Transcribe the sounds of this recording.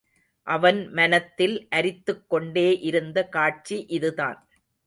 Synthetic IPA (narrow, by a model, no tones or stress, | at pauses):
ʔɐʋɐnmɐnɐt̪ːɪlʔɐɾɪt̪ːɯkːɔɳɖeːʔɪɾɯnd̪ɐkaːʈ̚t͡ʃiʔɪðɯða̰ːn